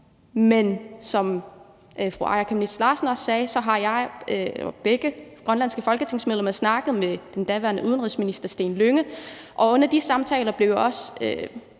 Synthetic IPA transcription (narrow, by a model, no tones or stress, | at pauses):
mensɒ̽m | ʔfʁoʔɑ̈ɪɐkʰemned̥slɑ̈ːsn̩ɒ̽sːɛːsɒ̽ɦɑ̈jɑ̈ɪ | b̥eɡ̥əɡ̥ʁɶnlænsɡ̥əfɒ̽lɡ̥ət͡sʰe̝ŋ̰smeðˠlemɐsnɑ̈ɡ̥əð̩ˠmed̥end̥æʋæɐnəʔuðˠnʁiðˠsminisd̥ɐsd̥e̝̰ːnløŋəʔɒ̽ɔ̽n̰ɐd̥isɑ̈mt͡sʰɛ̰ːlɐb̥le̝ʊɒ̽sø